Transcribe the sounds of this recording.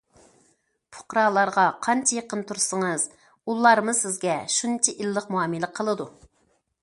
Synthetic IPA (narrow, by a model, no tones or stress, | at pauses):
pʰʊ̥qɾɑːlˠɑɾʁɑqʰɑnt͡ʃʰɛjeqənt̪ʰuɾsəŋɨz̥ | ulˠːɑɾmɨz̥sɪzɡʲɛʃunt͡ʃʰiʔilːəqmuɑːmɨləqʰəlˠɨd̪u